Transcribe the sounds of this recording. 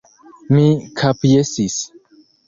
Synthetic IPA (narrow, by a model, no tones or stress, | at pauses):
mĩkʰapjesis